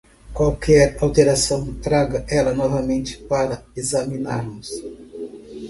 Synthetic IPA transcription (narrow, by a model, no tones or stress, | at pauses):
kwawkʰɛɾawt̪eɾasɐ̃w̃t̪ɾaɡɐʔɛlɐnɔvɐmẽnt͡ʃɪ̥paɾɐezɐmĩna̰ɾmʊs